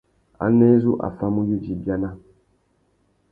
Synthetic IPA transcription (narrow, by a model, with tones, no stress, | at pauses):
a̰˨˦nɛ˦zu˦ʔa̰˨fa˦mu˦ju˦d͡ʒi˨bja˦na˦